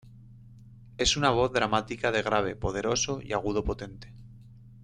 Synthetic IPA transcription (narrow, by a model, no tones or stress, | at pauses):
e̞sunaβ̞o̞θðɾamat̪ikaðe̞ɣ̞ɾaβ̞e̞po̞ð̞e̞ɾo̞so̞ḭaɣ̞uð̞o̞po̞t̪e̞nt̪e̞̥